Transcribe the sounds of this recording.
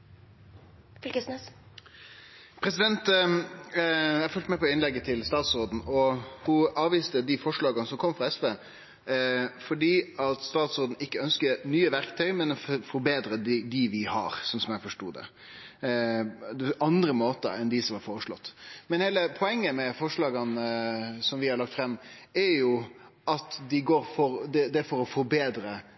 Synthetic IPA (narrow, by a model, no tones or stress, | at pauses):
flkəsnes | pʰɾɛsɪd̪ɛnt̪ | æɪfœlt̪mɛpɔɪnlɛɡːət̪ʰɪlst̪ɑːt̪soːd̪n̩ɔhʊɑːʋiːst̪əd̪ɪfɔʂɭɑːɡənəsɔmkʰɔmːfʁɑɛsʋeː | fɔɖiːɑt̪st̪ɑːt̪sʊːd̪n̩ɪkːəœnskəɾnyːəʋæɾkt̪ʰœʏmɛnɔffɔɾbeːd̪ɾəd̪d̪ɪʋɪhɑ̰ɾsɔnsɔmjæɪfɔʂʈuːd̪ɛ̰ | d̪ɛʔɑnd̪ɾəmoːt̪ə̰ɾɛnd̪ɪsɔmhɑɾfɔːɾəʂɭɔt̪ːmɛnheːləpʰɔɛŋːəmɛfɔʂɭɑːɡɑnsɔmʋɪhɑɾɭɑkt̪fɾɛmːæɾjʊ | ʔɑt̪d̪ɪɡoːɾfɔɾd̪ɛd̪ɛɾfɔɾɔfɔɾbeːd̪ɾə